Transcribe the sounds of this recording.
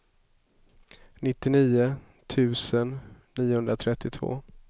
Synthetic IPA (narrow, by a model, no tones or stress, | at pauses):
nɪt̪ːɪniːʊ | t̪ʰʉ̟ːsənː | iːʊhɵnd̪ɾat̪ʰɾɛt̪ːɪt̪ʰv̥o̰ː